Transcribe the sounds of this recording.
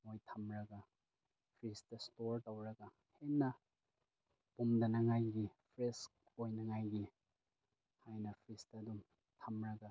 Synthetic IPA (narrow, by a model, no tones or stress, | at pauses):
mojtʰɐmɾɐɡɐ | pʰɾistɐstoɾtɐwɾɐɡɐ | henːɐ | pumdɐnɐŋajɡipʰɾesk̚ | ojnɐŋajɡi | hajnɐpʰɾistɐdum | tʰɐmɾɐɡa